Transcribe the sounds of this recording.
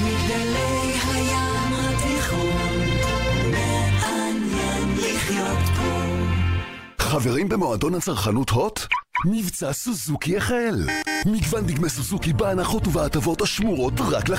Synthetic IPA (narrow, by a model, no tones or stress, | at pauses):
miɡalejhaja | matiχi | neanjaniχjot̪bo | χaveʁimbemo̞ado̞nhat͡saʁχanutho̞tnivt͡sasuzukiaχaelmiɡvandiɡmesuzukibeanaχo̞tuvaatavo̞taʃmuʁo̞tʁakla